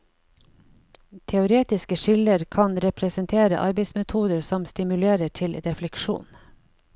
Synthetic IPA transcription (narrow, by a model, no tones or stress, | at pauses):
t̪ʰɛʊɾeːt̪ɪskəʃɪləɾkʰɑnɾɛpʰɾɛsənt̪ʰeːɾə̰ʔɑɾbɛɪsmɛt̪ʰuːd̪əɾsɔmst̪ɪmʉleːɾəʈʰɪlɾɛflɛkʃṵːn